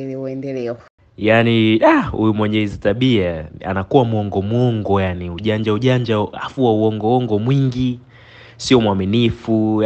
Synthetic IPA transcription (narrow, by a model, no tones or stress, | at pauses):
liuɛndɛlɛɔ | janiaṵjumwɛɲɛhizitaɓiaa̰nakuwamwɔŋɡɔmwɔŋɡɔjaniuʄaɲd͡ʒauʄaɲd͡ʒaa̰fuwauɔŋɡɔɔŋɡɔmwiŋɡi | siɔmwaminifu